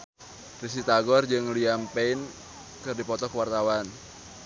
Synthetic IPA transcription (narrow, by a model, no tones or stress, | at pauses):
risit̪aɡɔrd͡ʒɨŋliampeɪn | kɨrdipɔt̪ɔkəwart̪awan